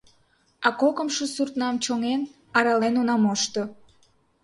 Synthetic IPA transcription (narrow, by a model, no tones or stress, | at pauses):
ɑkokə̆mʃosurt̪nɑmt͡ɕoŋen | ɑɾɑlenonɑmoʃt̪o